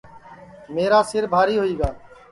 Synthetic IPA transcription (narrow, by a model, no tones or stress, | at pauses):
meːɾaːsɪɾbʱaːɾiːɦoiːɡaː